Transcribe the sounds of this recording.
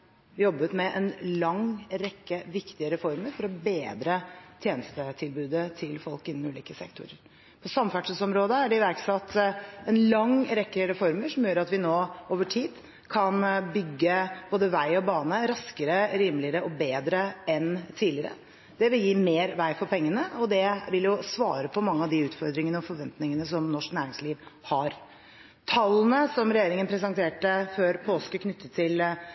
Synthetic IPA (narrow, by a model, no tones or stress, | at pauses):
jɔbət̪mɛʔɛnlɑŋɾɛkːəʋɪkt̪ɪəɾɛfɔɾməɾfɔɾɔbeːd̪ɾət̪ʰjeːnəst̪ət̪ʰɪlbʉːd̪ət̪ʰɪlfɔlkɪnːɔmʉːliːkəsɛ̰kt̪ʰʊ̰ɾə̰ɾ | pʰɔsɑmfæʈʂəsɔmɾoːd̪əæɖɛɪʋæɾksɑt̪ːɛnlɑŋɾɛkːəɾɛfɔɾməʂɔmjøːɾɑt̪ʋɪnoːoːʋəʈʰiːd̪ | kʰɑnbʏɡːəb̥oːd̪əʋæɪɔbɑːnəɾɑskəɾəɾiːmlɪəɾəʔɔbeːd̪ɾəɛnt̪ʰiːlɪəɾə̰ | d̪̥ɛʋɪljiːmeːɾʋæɪfɔɾpʰɛŋːənəɔd̪ɛʋɪljʊsʋɑ̰ːɾəpʰɔmɑŋːəɑʋd̪ɪʉːt̪fɔɾd̪ɾɪŋənəɔfɔɾʋɛnt̪nɪŋənəsɔmnɔʂknæːɾɪŋsliːʋhɑɾ | t̪ʰɑlːn̩əsɔmɾɛjeːɾɪŋənpʰɾɛs̬ɛnt̪ʰeːʈəføːɾpʰoːskəkʰnʏt̪ːət̪ʰːɪl